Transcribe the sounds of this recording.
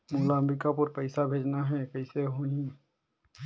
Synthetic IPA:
molaəmbɾɪkapʊɾpəɪsabʱeːd͡ʒnaɦɛkəɪseɦoĩ

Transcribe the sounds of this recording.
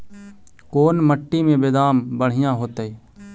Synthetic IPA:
koːnməʈːimẽbeːd̪aːmbəɽ̤ɪjãɦoːt̪eː

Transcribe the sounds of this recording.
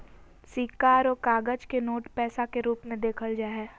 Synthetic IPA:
siːkaːɾɔːɾkaːɡəd͡ʒkenoːʈpɛːsakeɾuːpmẽd̪eːkʰəld͡ʒaːɦɛː

